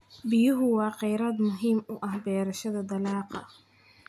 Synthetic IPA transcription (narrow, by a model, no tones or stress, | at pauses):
bɪjʊɦʊwɑːqɛjɾaːd̪mʊɦiːmʊʔɐhbɛːɾɐʃɐðɐd̪ɐlɑːqɑ̰